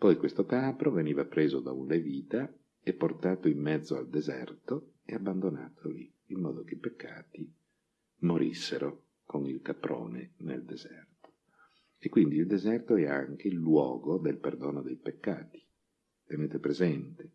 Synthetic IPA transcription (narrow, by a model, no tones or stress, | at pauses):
pɔjkwest̪okaːpɾoveniːvapɾeːzod̪aunleviːt̪a | epːort̪aːt̪oimːɛd̪zːoa̰ld̪ezɛ̰rt̪o | eabːand̪ona̰ːt̪ʰoliː | mːɔ̰ːd̪okeipekːaːt̪i | moɾisːeɾo | konilkapɾo̰ːnḛnḛld̪ezɛrt̪o̥ | ekːwind̪iːld̪ezɛrt̪oɛa̰ŋk̟eilːwɔ̰ːɡod̪elperd̪oːnod̪ejpekːa̰ːt̪i̥ | t̪eneːt̪epɾezɛnt̪e̥